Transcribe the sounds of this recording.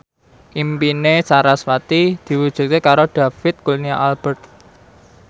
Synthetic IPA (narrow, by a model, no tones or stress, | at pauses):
ʔimpinesaɾaswat̪id̪̥i̤wud̥ʒ̥ṳt̪̚kekaɾoɖ̥a̤fɪt̪̚kulniaʔalb̥ərt̪̚